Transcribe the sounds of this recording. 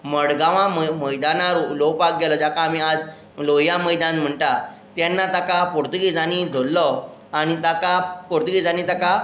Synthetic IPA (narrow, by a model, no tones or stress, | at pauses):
məɽɡaʋãməməjd̪anaɾlopak̚ɡɛlɔd͡ʑakaːmiad͡z | lojaməjd̪ãnm̤əɳʈa | t̪janːat̪akapuɾt̪əkid͡zañid̪ʱolːɔ | aɽ̃it̪akapuɾt̪əkid͡zañĩt̪aka